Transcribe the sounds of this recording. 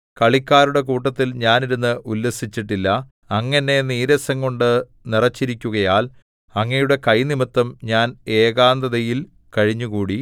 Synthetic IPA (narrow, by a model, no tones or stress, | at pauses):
kɐɭikʲːaːɾuɽe̞kuːʈːɐt̪ːilɲaːniɾunːɨʔulːɐsit͡ɕːiʈːilːɐ | ɐŋːɐnːe̞niːɾɐsɐŋko̞ɳɖɨ | nirɐt͡ɕːiɾikʲːuɣɐjaːl | ɐŋːɐjuɽe̞kɐjnimɐt̪ːɐmɲaːne̞ːɣaːnd̪ɐðɐjil | kɐɻiɲːuɣuːɽi